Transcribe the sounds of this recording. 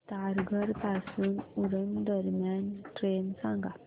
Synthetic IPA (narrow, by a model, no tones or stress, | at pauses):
taɾɡəɾpasunuɾəmdɔɾmantɾensaŋɡa